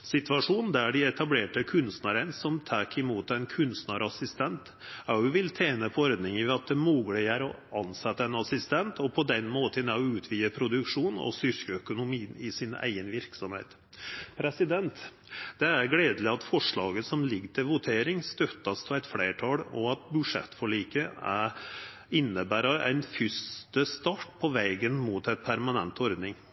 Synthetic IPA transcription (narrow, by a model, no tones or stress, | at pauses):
sɪt̪ʋɑʂuːnn̩d̪æɖɪɛt̪ɑbleːʈəkʰʉnst̪nəɾənsɔmt̪ʰæːkɪmuːt̪ɛnkʰʉnst̪nəɾɑsɪst̪ʰɛnt̪ | ɑʊʉʋɪlt̪ʰeːnəpʰɔɔɾd̪nɪŋəʋɛɑt̪̚d̪ɛmuːɡəlɪæɾɔ | ɑnsɛt̪ːəɛnɑsɪst̪ɛnt̪ʰɔpʰɔd̪ɛnmoːt̪ənɑʉːt̪ʰʋiːəpʰɾʊd̪ʉkʂuːnɔ̰sʏɾkəœkʊnʊmiːnɪsɪnæ̰ɪɡənʋɪɾksɔmhḛːt̪ | pʰɾɛsɪd̪ɛnt̪ | d̪̥ɛæɾɡleːd̪əlɪɑt̪fɔʂɭɑːɡəsɔmlɪɡːt̪ʰɪlʋʊt̪ʰeːɾɪŋst̪œt̪ːɑst̪ʰɔæɪt̪fleːʈʰɑlɔɑt̪̚bʉʂɛ̰t̪ːfɔɭiːkəæɾ | ɪnːəbæːɾɑæ̰ɪnfʏst̪əst̪ɑʈpʰɔʋɛːɡənmuːt̪ɛt̪pʰæɾmɑnɛ̰nt̪ɔɾd̪nɪŋ